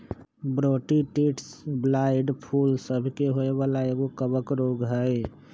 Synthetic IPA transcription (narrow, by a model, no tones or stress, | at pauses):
bɾoʈiʈiʈsblaɪɖpʰulsəbʱkeɦoeβalaeɡokəbəkɾoɡɦəj